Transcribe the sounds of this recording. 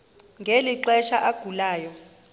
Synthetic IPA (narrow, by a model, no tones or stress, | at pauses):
ŋɡʱeliǃɛʃaʔaɡ̥ʱulaːjɔ